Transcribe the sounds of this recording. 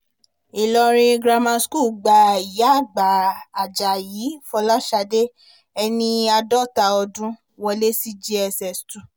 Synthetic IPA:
i˨lɔ˧ɾĩ˧ɡɾa˧mã˧sku˦˨ɡ͡ba˨i˨˦a˦˨ɡ͡ba˨a˨d͡ʒa˨jiː˨˦fɔ˧la˦ʃa˧de˦ | ɛ˧nĩ˧a˧dɔ˦˨ta˨˧ɔ˧dũ˦ | wɔ˧le˦si˦d͡ʒi˦ɛ˧sɛ˨stu˨

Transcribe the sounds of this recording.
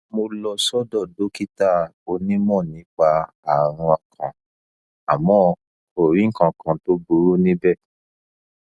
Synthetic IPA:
mo˧lɔ˧sɔ˦dɔ˦˨do˨˦ki˦ta˦˨o˧nĩ˦mɔ̃˦˨nĩ˨˦k͡pa˧ | a˨ɾ̃ɔ̃˧a˧˨kʰã˨ | a˨mɔ̃˨˦ | o˨ɾĩ˨˦ŋ̩˦kã˧kã˧to˦bu˧˦ɾu˦nĩ˦bɛ˦˨

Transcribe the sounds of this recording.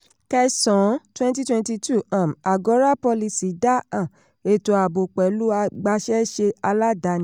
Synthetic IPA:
kɛ˧sɔ̃˨˦twɛ̃˦nt̬i˦twɛ̃˧nti˧tʰu˦˨ã˨ma˨ɡɔ˨˦ɾa˦pɔ˧li˧si˨˦da˦ã˦˨ | e˨to˨a˨bo˨k͡pɛ˨˦lu˦a˧ɡ͡ba˧ʃɛ˦ʃe˧a˧la˦da˧˦nĩ˦

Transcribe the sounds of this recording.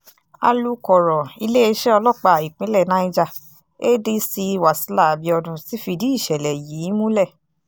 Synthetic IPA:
a̰˧lu˦kɔ˨ɾɔ˨i˧le˦e˧ʃɛ˦ɔ˧lɔ˦˨k͡pa˧˨i˨k͡pĩ˦lɛ˦˨nã˦i˦d͡ʒa˧ | e˦di˦si˧wa˨si˨˦la˦˨a˨bi˨˧ɔ˧dũ˧si˨˦fi˧di˦i˦˨ʃɛ˨lɛ˨jiː˨˦mũ˦lɛ˦˨

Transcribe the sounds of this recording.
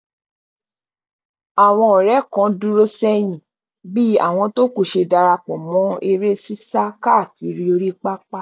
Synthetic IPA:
a˨w̃ɔ̃˧ɔ˨ɾɛ˨˦kã˨˧˦du˦ɾo˦sɛ˦j̃ĩ˨ | bi˦a̰˦˨w̃ɔ̃˧to˦ku˦˨ʃe˧da˧ɾa˧k͡pɔ̃˨mɔ̃˨˦e˧ɾe˦si˦sa˦ka˦˨ki˨˦ɾi˦o˧ɾi˦k͡pa˦k͡pa˦˨

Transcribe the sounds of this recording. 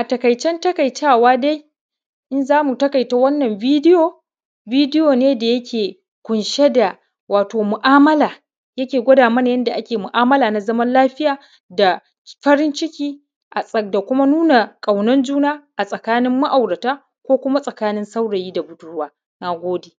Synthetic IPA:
ʔa˨tɐ˨kɐ˨jt͡ʃɛ˦ntɐ˦kɐ˨jtaː˦˨waː˦da˦j | ʔɪ˦nzaː˦mu˨tɐ˦kɐ˨jta˦wɐ˦nːɐ˨mbiː˦dɪ˦joː˨ | biː˦dɪ˦joː˨neː˦da˨jɐ˦kʲeː˨ | kʷʊ˨nʃe˦da˨ | waː˨toː˨mʊ˨ʔaː˦mɐ˦laː˨ | jɐ˦kʲeː˨ɡʷɐ˦daː˨mɐ˦n˨jɐ˦nda˨ʔa˦kʲeː˨mʊ˨ʔaː˦mɐ˦laː˨na˨zɐ˦mɐ˦nlaː˦ɸɪ˦jaː˨ | da˨ | ɸɐ˦ɾɪ˦nt͡ʃɪ˦kʲiː˦ | ʔa˨da˨kʷʊ˦ma˦nuː˦na˨kʼa˨wnɐ˦nd͡ʒuː˦naː˦ʔa˨sʼɐ˨kaː˦nɪ˦mːa˦ʔa˨wɽɐ˨taː˦ | kʷoː˦kʷʊ˦ma˦sʼɐ˨kaː˦nɪ˦nsa˦wɽa˨jiː˦da˨ɡʷʊ˨dʊ˦waː˦ | naː˨ɡʷoː˦deː˨

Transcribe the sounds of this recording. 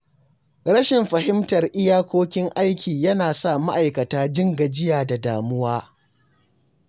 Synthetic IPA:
ɾɐ˦ʃɪ˨mɸɐ˨hɪ˦mtɐ˨rʔɪ˦jaː˦kʷoː˦kʲɪ˦ŋʔa˦jkʲʰiː˨jɐ˦naː˨sa˦˨ma˦ʔa˨jkɐ˨taː˦d͡ʒɪ˦ŋɡɐ˨d͡ʒɪ˦jaː˨da˨daː˨mʊ˦waː˦

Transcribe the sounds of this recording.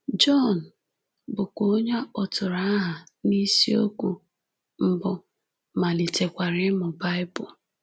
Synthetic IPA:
d͡ʒɔ˦˨n̩˨ | bʊ˨ko˦ɲa˦ɔ˨tʊ˨ɾa˦a˦ɦa˨ni˦si˦o˦ku˨ | m̩˨bʊ˨ | ma˨li˨te˨kʷa˨ɾɪ˦mʊ˨ba˦ɪ˦bʊ̰˨

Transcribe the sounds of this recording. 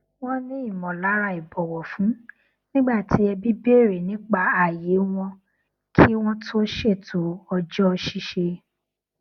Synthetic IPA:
w̃ɔ̃˦nĩ˦i˦˨mɔ̃˨la˨˦ɾa˧˦i˨bɔ˨wɔ˨fũ˨˦ | nĩ˦ɡ͡ba˦˨tʰi˨˦ɛ˧bi˦be˦˨ɾe˨nĩ˨˦k͡pa˦˨a˨je˨˦w̃ɔ̃˧ | kʰi˦w̃ɔ̃˦tʰo˦ʃe˦˨tʰo˨˦ɔ˧d͡ʒɔ˦ɔ˧ʃi˦ʃe˧

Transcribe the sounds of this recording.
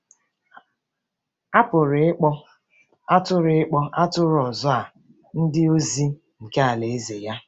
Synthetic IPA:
a˦pʊ˨ɾɪ˨˦k͡pɔ˦ | a˦tʊ˦ɾɪ˨ɪ˦k͡pɔ˦ʔa˦tʊ˦ɾɔ˨zɔ˦a˨ | n̩˦dɪ˦o˦zi˦ | ŋ̩˨ke˦a˨le˨e˦ze˨ja˦

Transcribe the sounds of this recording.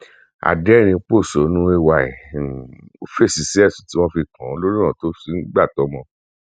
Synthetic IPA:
a̰˨dɛ˨˦˨ñĩ˧k͡po˦˨so˨˦nũ˦e˧wa˧˨ɛ˨o˧˦fe˦˨si˨˦si˦ɛ˦˨sũ˨ti˦w̃ɔ̃˦fi˧kʰã˨˦lo˦ɾi˦ɾ̃ã˨to˨˦si˧˦n̩˦ɡ͡ba˦˨tɔ˨˦mɔ̃˧˦

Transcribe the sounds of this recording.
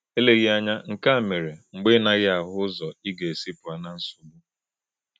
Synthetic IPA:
e˦le˨ɣi˦a˦ɲa˦ŋ̩˨ka˦˨me˨ɾe˨ŋ͡m̩˨ɡ͡be˦na˦ɣɪ˦a˨ɦʊ˦zɔ˨i˦ɡe˨e˨si˦pʊ˨a˨na˨n̩˦sʊ˨ɡ͡bu˦

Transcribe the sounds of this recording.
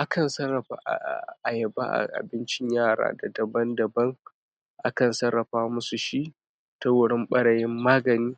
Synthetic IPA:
ʔa˦kɐ˨nsɐ˦ɾɐ˨ɸa̰ː˨˦ʔʔa˨jɐ˨ba̰˦ʔa̰˨ʔa̰˨bɪ˦nt͡ʃɪ˦ɲjaː˦˨ɽa̰ː˦da˨dɐ˨bɐ˦ndɐ˨bɐ˦ŋ | ʔa˦kɐ˨nsɐ˦ɾːɐ˨ɸaː˦mʊ˦su˨ʃi˦ | ta˦wʊ˨ɽɪ˦mɓɐ˦ɽɐ˨jɪ˦mːaː˦ɡɐ˨niː˦

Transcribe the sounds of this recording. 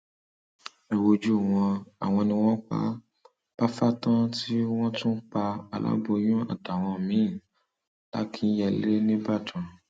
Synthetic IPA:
e˨wo˧d͡ʒu˦˨w̃ɔ̃˧a̰˨w̃ɔ̃˧nĩ˧w̃ɔ̃˦k͡pa̰˦ | b̥a˦fa˦tã˦ti˦w̃ɔ̃˦tũ˦k͡pa˧a˨˧la̰˦bo˧jũ˦a̰˨ta˨w̃ɔ̃˧mĩ˨˦˨ | la̰˨˦kʰi˧˦jɛ˦˨le˦nĩ˦ba˦˨tũ˨

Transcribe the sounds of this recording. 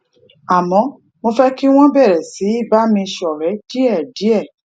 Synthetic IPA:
a˨mɔ̃˨˦ | mo˧fɛ˦ki˦w̃ɔ̃˦bɛ˦˨ɾɛ˨si˨˦i˦˨ba˦mĩ˧ʃɔ˨ɾɛ˨˦d̥i˦ɛ˦˨di˨˦ɛ˦˨

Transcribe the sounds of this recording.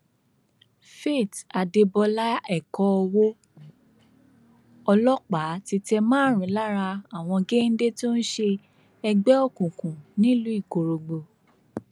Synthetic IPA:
fe˦˨ta˨de˧bɔ˧la˦ɛ˦˨kɔ˧ɔ˧wo˦ | ɔ˧lɔ˦k͡pa˨˦ti˧tɛ˧mãː˦˨ɾ̃ĩ˨˦la˦ɾa˧a˦˨w̃ɔ̃˧ɡe˦n̩˦de˦to˦n̩˦ʃe˧ | ɛ˧ɡ͡bɛ˦ɔ˦˨kũ˨kũ˨nĩ˦lu˦i˦˨ko˨ɾo˨ɡ͡bo˧

